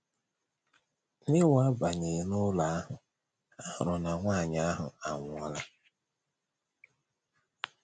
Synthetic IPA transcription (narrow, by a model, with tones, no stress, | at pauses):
nɪ˦wa˦ba˨ɲe˨˦nʊ˦la˨a˦ɦʊ˨ | a˦ʊ̰˨ɾʊ˨na˨ŋʷa˦˨ɲa˨a˦ɦʊ̰˨a˨ŋʷʊ˨˦ɔ˦la˦